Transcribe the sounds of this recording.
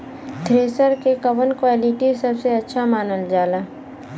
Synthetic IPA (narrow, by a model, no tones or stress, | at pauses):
t̪ʰɾeːsəɾkekɐʋənkwaːlɪʈisɐbseɐtːʃʰamaːnəld͡ʒaːlaː